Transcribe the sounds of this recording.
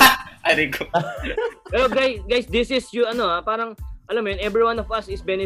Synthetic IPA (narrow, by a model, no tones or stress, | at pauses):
ʔajt̪ɪŋkʰo | pɛɾoɡajɡajsd̪ɪsɪsjʊɐno̞apaːɾɐŋʔɐlɐmːojonʔɛbɹiwanɔvɐsɪsbɛnɪ